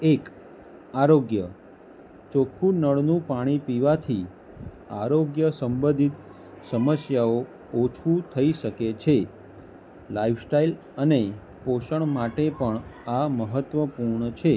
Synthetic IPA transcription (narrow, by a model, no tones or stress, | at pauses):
ek | aɾoɡjə | t͡ʃokʰunəɭnũpaɽ̃ipiʋat̪ʰi | aɾoɡjəsəmbəd̪ʱit̪ | səməsjao | ot͡ʃʰũt̪ʰəiʃəket͡ʃʰe | laifsʈail | əne | poʃəɳmaʈepəɳaməɦət̪ʋəpuɾɳət͡ʃʰe